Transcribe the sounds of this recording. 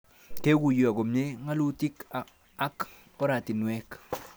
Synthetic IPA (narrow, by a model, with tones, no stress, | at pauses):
ke˦ɡu˨ja˨ɡo˨mje˦ŋa˦lu˦ti˦k | a˦k | ɔ˦ɾa˨ti˨nwɛ˦k